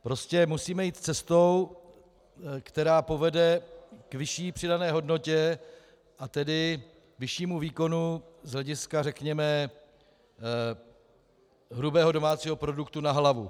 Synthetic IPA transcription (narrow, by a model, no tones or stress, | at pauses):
pɾo̞scɛmusiːmɛjiːt̪t͡sɛst̪o̞w | kt̪ɛɾaːpo̞vɛdɛkvɪʃiːpr̝̥ɪdanɛːɦo̞dno̞cɛ | ʔat̪ɛdɪ | vɪʃiːmuviːko̞nuzɦlɛɟɪskarɛkɲɛmɛ | ɦɾubɛːɦo̞do̞maːt͡siːɦo̞pɾo̞dukt̪unaɦlavu